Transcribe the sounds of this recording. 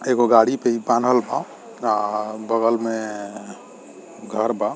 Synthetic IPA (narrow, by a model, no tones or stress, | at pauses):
eɡoɡaɽipeibanɦəlbã | abəɡəlme | ɡʱəɾba